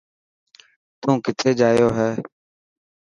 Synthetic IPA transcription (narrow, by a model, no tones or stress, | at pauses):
t̪ũːkɪt̪ʰeːd͡ʒaːjoːɦɛː